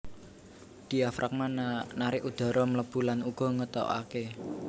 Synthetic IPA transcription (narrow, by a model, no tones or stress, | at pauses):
d̪̥i̤afɾʔak̚mannaɾɪʔud̪̥a̤ɾɔmələb̥ṳlanuɡ̥ɔ̤ŋət̪ɔ̰a̰ke